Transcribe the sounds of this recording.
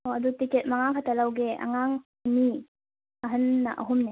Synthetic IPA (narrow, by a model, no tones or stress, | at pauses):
oɐdutiket̚maŋakʰatalawɡeʔɐ̰ŋaŋ | ɐni | ɐɦɐnːa̰ʔɐ̰ɦumne